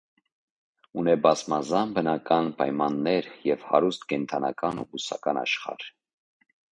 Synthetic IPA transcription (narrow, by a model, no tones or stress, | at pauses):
unɛbɑzmɑzɑnbənɑkɑnpɑjmɑnːɛɾjɛvhɑ̰ɾust̪kɛnt̪ʰɑnɑ̰kɑnṵbusɑ̰kɑnɑ̰ʃχɑ̰ɾ